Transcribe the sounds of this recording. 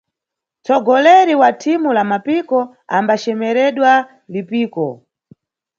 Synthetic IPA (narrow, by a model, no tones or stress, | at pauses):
t͡sɔɡɔlɛɾiwatʰimulamapikɔ | ambat͡ʃɛmɛɾɛɗwa | lipiːkɔ